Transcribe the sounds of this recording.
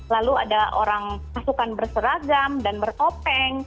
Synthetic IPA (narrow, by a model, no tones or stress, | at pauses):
lalua̰daʔoɾaŋpasukanbərsəɾaɡamdanbəropɛŋ